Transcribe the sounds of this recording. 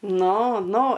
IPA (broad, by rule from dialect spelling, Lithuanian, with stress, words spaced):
ˈnʊ ˈnʊ